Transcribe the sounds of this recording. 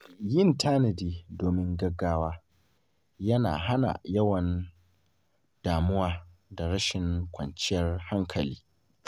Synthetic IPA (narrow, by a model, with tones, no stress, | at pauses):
jɪ˦ntʰaː˦nɐ˨diː˨doː˨mɪ˦ŋɡɐ˦ɡːaː˦waː˦ | jɐ˦na̰ː˨ɦa˦na̰˨jɐ˦wɐ˨n | d̥aː˨mʊ˦waː˦da˨ɽɐ˦ʃɪ˨ŋkʷʰɐ̰˨nt͡ʃɪ˦jɐ˦rha˦ŋkʰɐ˨liː˦